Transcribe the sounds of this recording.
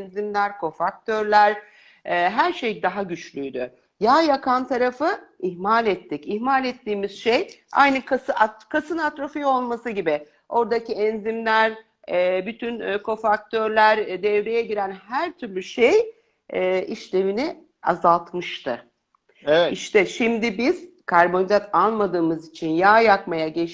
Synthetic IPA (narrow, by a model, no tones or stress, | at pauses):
nzimlʲæɾkʰo̞fak̚t̪ʰø̞ɾlʲæɾ | ɛɦæɾʃejd̪aɦaɟyt͡ʃlʲyjd̪y | jaːjakʰant̪ʰaɾafɯihmalʲɛt̪ʰːicihmalʲɛt̪ːiːmiz̥ʃej | a̰jnɯkʰasɯʔakʰasɯnat̪ɾofijo̞lˠmasɯɟibɪ | o̞ɾd̪aciɛnzimlʲæɾ | ɛːbyt̪ʰynkʰo̞fak̚t̪ʰø̞ɾlʲæɾd̪ɛvɾejɛɟiɾænhæɾt̪ʰyɾlʲyʃejː | iʃlʲe̞vini | a̰zalˠt̪mɯʃt̪ʰɯ | iʃt̪ʰɛʃimd̪ibiz̥ | kʰaɾbo̞nizat̪ʰanˠmad̪ɯːmɯzit͡ʃʰinjaːjakmajaɟe